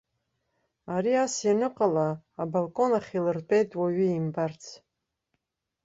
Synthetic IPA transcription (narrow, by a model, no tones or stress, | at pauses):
aɾiasjanɨqʼalaːbalkʼo̞naχʲilɨrpʼe̞jtʼwaɥiimbart͡sʰ